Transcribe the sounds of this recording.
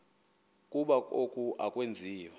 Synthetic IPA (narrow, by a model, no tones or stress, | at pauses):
kʼuɓaokʼuʔakʼwend͡zʱiːwɛ